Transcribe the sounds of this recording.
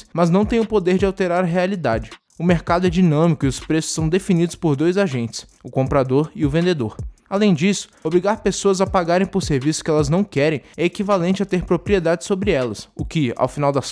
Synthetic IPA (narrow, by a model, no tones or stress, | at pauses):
smɐznɐ̃w̃t̪ẽj̃ʊpod̪eɾd͡ʒɪawt̪eɾaɾɐɦealid̪ad͡ʒɪ | ʊmeɾkad̪ʊɛd͡ʒinɐ̃mikʊiʊspɾesʊ̥sːɐ̃w̃d̪efinid̪ʊspoɾd̪ojzaʒẽnt͡ʃɪ̥sʊkõmpɾad̪oɾiʊvẽnd̪ed̪oɾalẽj̃d͡ʒisʊ̥obɾiɡaɾpesoɐzapaɡaɾẽj̃poɾseɾvisʊ̥kɪɛlɐznɐ̃w̃kɛɾẽj̃ɛekivalẽnt͡ʃɪat̪eɾpɾopɾied̪ad͡ʒɪsobɾɪɛlɐsʊkɪa̰wfinawd̪ɐs